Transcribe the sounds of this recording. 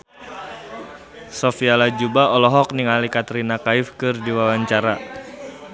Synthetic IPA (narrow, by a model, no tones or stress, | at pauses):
sɔfialad͡ʒubaɔlɔɦɔk̚niŋalikat̪ɾinakaifkɨrdiwawaɲt͡ʃaɾa